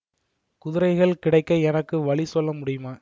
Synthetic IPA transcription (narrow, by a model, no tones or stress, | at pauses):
kʊðɪɾɐɪɣɐɭkɪɽɐɪkːɐɛnɐkːɯʋɐɭisɔlːɐmʊɽɪjɯmaː